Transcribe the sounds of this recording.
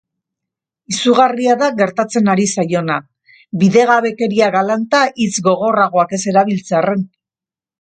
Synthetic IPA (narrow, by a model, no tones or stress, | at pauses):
isuɣariaðaɣe̞ɾt̪at͡se̞naɾisajo̞na | biðe̞ɣaβe̞ke̞ɾiaɣalant̪aʔit͡sɡo̞ɣo̞raɣ̞o̞ake̞se̞ɾaβ̞ilt͡seare̞n